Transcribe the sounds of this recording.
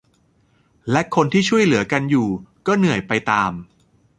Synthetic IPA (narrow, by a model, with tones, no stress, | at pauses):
lɛ˦˥kʰo˧nt̪ʰiː˥˩t͡ɕʰu˥˩əjlɯ˩˦ɐka˧njuː˨˩kɔː˥˩nɯ˨˩əjpa˧jt̪aː˧m